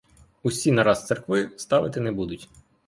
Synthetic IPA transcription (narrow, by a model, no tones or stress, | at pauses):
usʲinɐɾɑst̪sɛrkʋɪst̪ɑʋɪt̪ɪnɛbud̪ʊtʲ